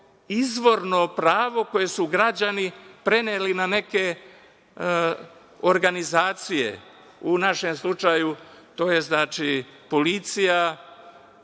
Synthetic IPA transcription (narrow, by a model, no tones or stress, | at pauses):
izʋo̞ɾno̞pɾaːʋo̞ko̞je̞suɡɾad͡ʑanipɾe̞neːlinane̞ke̞ | oɾɡanizaːt̪sije̞̰ | unaʃe̞mslˠut͡ʃajut̪o̞ːje̞znaːt͡ʃipo̞lit̪sija